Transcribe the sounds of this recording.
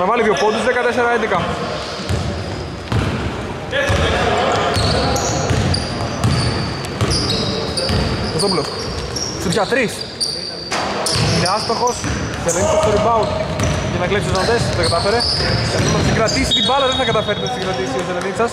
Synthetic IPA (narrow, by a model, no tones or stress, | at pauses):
nɐvɐliðiopod̪uzðekɐt̪eseɾɐend̪ikɐ | ɐsoplos | supçat̪ɾis | ineast̪oxos | selenit͡sɐst̪oɾibɐucɐnɐɣlepsisɐnd̪est̪ɐkɐt̪ɐfeɾet̪ɐpsiɡɾɐt̪isit̪ibɐlɐðenθɐkɐt̪ɐfeɾt̪opsiɡɾɐt̪isioselenit͡sɐs